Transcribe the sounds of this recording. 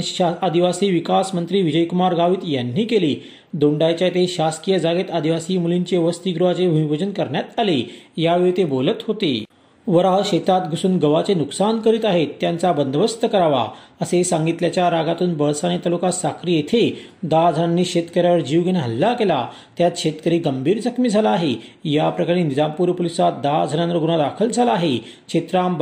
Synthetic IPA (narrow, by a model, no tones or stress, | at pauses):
ɕad̪iʋasiːʋikasmənt̪ɾiːʋid͡ʑəjkumaɾɡaʋiːt̪janːiːkeliː | d̪oɳɖajt͡ɕjat̪eɕaskijəd͡zaɡet̪ad̪iʋasiːmuliɲt͡ɕeʋəst̪iːɡɾuɦat͡sebʱumibʱod͡ʑənkəɾɳjat̪alejaʋeɭit̪ebolət̪ɦot̪ḛ | ʋəɾaɦɕet̪at̪ɡʱusuːnɡəʋat͡senuksankəɾiːt̪aɦet̪ːjant͡sabənd̪ʱəʋəst̪əkəɾaʋa̰əsesãŋɡit̪ljat͡ɕjaɾaɡat̪uːnbəɭsañet̪alukasakɾiːjet̪ʰed̪ad͡zʱənanːiːɕet̪kəɾjaʋəɾd͡ʑiʋɡenɦəlːakela | t̪jat̪ɕet̪kəɾiːɡəmbʱiːɾd͡zəkʰmiːd͡zʱalaːɦejapɾəkaɽ̃enid͡zampuːɾpolisat̪̚d̪ad͡zʱənãnʋəɾɡuɽ̃ad̪akʰəld͡zʱalaːɦe | ɕet̪ɾamb